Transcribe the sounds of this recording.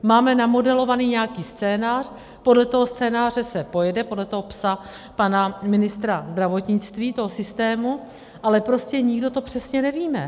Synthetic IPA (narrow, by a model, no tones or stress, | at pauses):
maːmɛnamo̞dɛlo̞vaniːɲɛakiːst͡sɛːnaːr̥ | po̞dlɛt̪o̞ɦo̞st͡sɛːnaːr̝ɛsɛpo̞jɛdɛpo̞dlɛt̪oɦo̞psa | panamɪnɪst̪ɾazd̪ɾavo̞t̪ɲɪt͡st̪viːt̪o̞ɦo̞sɪst̪ɛːmu | ʔalɛpɾo̞scɛɲɪɡdo̞t̪o̞pr̝̥ɛsɲɛnɛviːmɛ